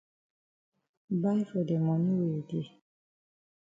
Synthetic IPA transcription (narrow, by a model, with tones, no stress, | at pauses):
ba˦fo˨dɛ˨mɔ̃˨nũ˦we˨di˨e˨